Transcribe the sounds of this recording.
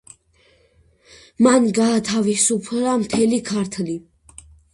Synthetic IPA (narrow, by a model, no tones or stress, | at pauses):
manɡaːt̪ʰavisupʰɾamt̪ʰɛlikʰaɾt̪ʰli